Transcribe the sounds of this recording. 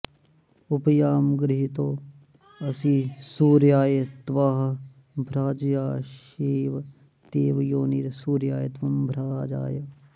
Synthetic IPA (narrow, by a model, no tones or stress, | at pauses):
ʊpəjaːmɡɾɪɦit̪oː | ɐsiːsuːɾjaːjət̪ʋaːɦ | bʱɾaːd͡ʒjaːʃ | eːʋ | t̪eːʋjoːniːɾsuːɾjaːjət̪ʋɐmbʱɾaːd͡ʒa̰ːjə